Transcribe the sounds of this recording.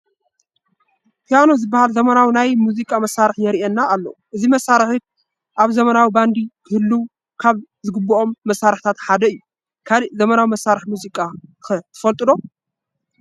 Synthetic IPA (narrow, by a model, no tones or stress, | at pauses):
p̪ʰijanozɨbːahalzɐmɐnawinajmuzikʼamɐsːaɾɨħnɛɾiʔɛnːaːlːɐ̰uʔɨzimɐsːaɾɨħi | ʔaβzɐmɐnawiband̪ikʰɨhɨlːuw | kʰaβzɨɡɨbːuʔo̞mːɐsːaɾɨħt̪ʰat̪ħad̪ɐɨjːu | kʰalizɐmɐnawimɐsːaɾɨħmuzikʼaxɐt̪ʰɨ̥fɐlt̪ʼɨd̪o̞